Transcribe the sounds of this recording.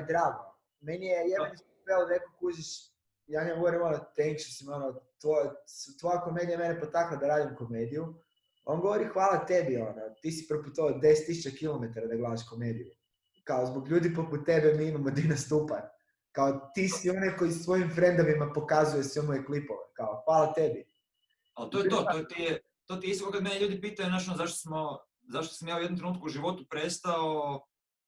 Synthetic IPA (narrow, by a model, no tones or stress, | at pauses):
d̪ɾaːɡo | me̞nijejed̪anisot̪elod̪anekokud͡ʒeʃ | jaːɲaɡoʋoɾimonot̪eŋkʃosimonot̪ʋost̪ʋojakome̞d̪ijame̞nepot̪aklˠad̪aɾaːd̪imko̞meːd̪iju | onɡo̞ʋoɾixʋaːlˠat̪ebionot̪isi̥prɾput̪od̪e̞set̪ːisut͡ɕakilome̞t̪aɾad̪aɡlˠasaʃko̞me̞ːd̪iju | kaozboɡʎuːd̪ipoput̪̚t̪ebemiimamod̪inast̪upa̰n | kaot̪iːsio̞najko̞isʋo̞jimfɾe̞nd̪oʋimapo̞kazuje̞sʋemojeklipoʋekaoxʋaːlˠat̪e̞bi | alt̪oːjet̪ot̪ot̪ie | t̪ot̪iist̪kokad̪meneʎuːd̪ipiːt̪ajunat͡ʃonzaʃt̪o̥smo | zaʃt̪o̥samjaːujd̪omt̪ɾenuːt̪̚kuuʒiʋo̞t̪upɾest̪ao